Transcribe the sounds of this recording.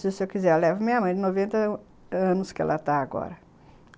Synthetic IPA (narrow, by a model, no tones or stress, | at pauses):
sɪʊsewkizɛɾlɛvɐmĩɲɐmɐ̃j̃d͡ʒɪnovẽnt̪ɐ | ɐ̃nʊskɪɛ̰lɐt̪aaɡɔ̰ɾɐ